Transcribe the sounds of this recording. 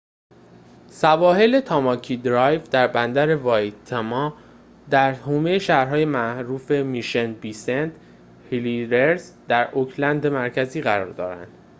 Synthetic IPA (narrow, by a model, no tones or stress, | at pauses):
sævɒːɦe̞le̞t̪ʰɒːmɒːcʰiːd̪ɾɒjvd̪æɾbænd̪æɾe̞vɒːjt̪ʰːemɒː | d̪æɾhuːmejeʃæhɾɦɒːje̞mæɾuːfe̞miʃenbisent̪ | hiliɾeɾzd̪æɾʔokʰlænd̪emæɾcʰæziːɣæɾɒ̰ːɾd̪ɒ̰ːɾæ̰nd̪̥